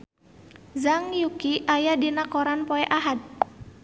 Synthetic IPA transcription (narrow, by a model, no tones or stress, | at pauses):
zaŋjukiʔajadinakoɾanpɔɛʔaɦat̪̚